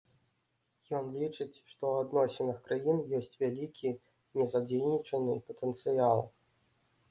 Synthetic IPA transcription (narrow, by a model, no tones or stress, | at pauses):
jɔnlʲit͡ʂɨt͡sʲʂt̪ɔwad̪nɔsʲɛnɨxkɾajinjɔsʲt͡sʲvʲalʲikʲʰi | nʲɛzad͡zʲejnʲit͡ʂɐnɨpɐt̪ɛnt̪sɨjalˠ